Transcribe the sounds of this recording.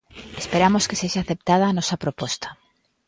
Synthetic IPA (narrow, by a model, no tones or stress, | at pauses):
espeɾamoskeseʃaθep̚t̪að̞aːnɔsɐpɾopɔst̪ḁ